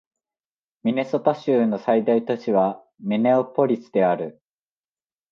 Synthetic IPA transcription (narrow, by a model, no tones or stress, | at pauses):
mʲine̞so̞t̪aɕɨːno̞said̪ait̪o̞t͡ɕiβ̞a | mʲine̞opo̞ɾʲisɨd̪e̞aɾɯ̟